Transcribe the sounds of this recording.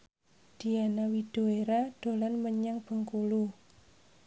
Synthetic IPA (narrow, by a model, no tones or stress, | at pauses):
d̪̥i̤anawid̥o̤eɾad̥o̤lanməɲaŋb̥ə̤ŋkulu